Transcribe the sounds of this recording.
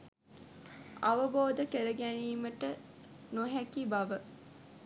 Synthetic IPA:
aʋəboːd̪əkeɾəɡæniːməʈə | noɦækibaʋə

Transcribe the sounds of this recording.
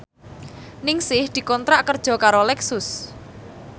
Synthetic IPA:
nɪŋsɪhd̪̥i̤kɔnt̪ɾaʔkərd̥ʒ̥ɔ̤kaɾolɛksʊs

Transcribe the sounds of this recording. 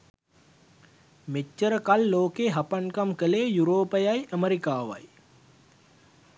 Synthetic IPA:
met͡ʃːəɾəkalːoːkeːɦɐpɐnkɐmkəleːjuɾoːpɐjajəməɾikaːʋa̰j

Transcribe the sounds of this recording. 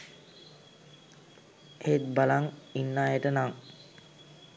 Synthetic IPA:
et̪̚balaŋinːaːjeʈənaŋ

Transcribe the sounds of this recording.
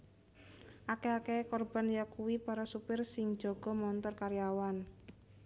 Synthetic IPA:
ʔakeakekɔrb̥a̤njakuwipaɾɔsupɪrsɪŋ̥d͡ʒ̥ɔ̤ɡ̥ɔ̤mɔnt̪ɔrkaɾjawan

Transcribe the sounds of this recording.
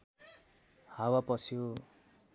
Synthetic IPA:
hawapʌsjo

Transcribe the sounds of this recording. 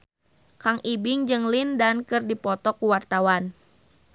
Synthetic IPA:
kaŋibɪŋd͡ʒɨŋlindankɨrdipɔt̪ɔkuwart̪awan

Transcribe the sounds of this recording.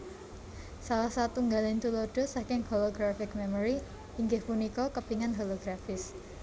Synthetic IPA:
salahsat̪uŋɡalɪnt̪ulɔɖ̥ɔ̤sakɪŋholoɡɾafɪk̚mɛmɔɾi | iŋɡɪhpunikɔkəpiŋanɦɔloɡ̥ɾafɪs

